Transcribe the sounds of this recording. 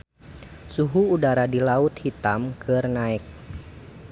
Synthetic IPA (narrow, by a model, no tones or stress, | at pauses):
suɦuːdaɾadilaut̪̚hit̪amkɨrnaɪk̚